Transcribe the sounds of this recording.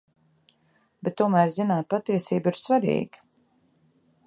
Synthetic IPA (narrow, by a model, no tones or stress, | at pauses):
bɛt̪ːuɔmæːɾzinaːt̪̚pat̪iɛsiːbiɾsvaɾḭːɡə̥